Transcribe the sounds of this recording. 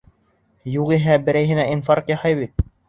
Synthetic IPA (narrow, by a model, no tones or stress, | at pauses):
juʁiɦæbɘ̆ɾæjɦɘ̆næinfɑɾkjɑhɑjβit̪̚